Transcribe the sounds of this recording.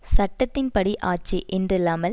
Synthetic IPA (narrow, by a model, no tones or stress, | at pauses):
sɐʈːɐt̪ːɪnpɐɽiʔaːt͡ʃːiʔɛndrɪlːaːmɐl